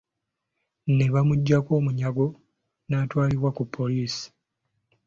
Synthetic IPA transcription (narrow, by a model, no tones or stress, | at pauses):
ne̞βamuɟːako̞ːmuɲaɡo̞ | naːtwaːliβwakupʰːo̞liːsi̥